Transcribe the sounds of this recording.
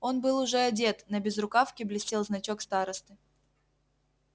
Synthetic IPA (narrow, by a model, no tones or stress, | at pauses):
o̞nbɨlˠʊʐɛɐdʲe̞t̪nəbʲɪzɾʊkafkʲɪblʲɪsʲtʲelˠznɐt͡ɕo̞kst̪aɾəst̪ɨ